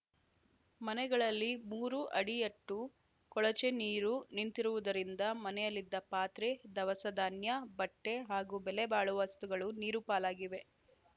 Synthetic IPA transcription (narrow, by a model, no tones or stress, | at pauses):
mɐnɛɡɐɭɐlːimuːɾuʔɐɽijɐʈːu | kɔɭɐt͡ʃeniːɾunint̪iɾuʋud̪ɐɾind̪ɐmɐnɛjɐlːid̪ːɐpaːt̪ɾed̪ɐʋɐsɐd̪aːnjɐbɐʈːeɦaːɡubɛlebaːɭuʋast̪uɡɐɭuniːɾupaːlaːɡiʋe̞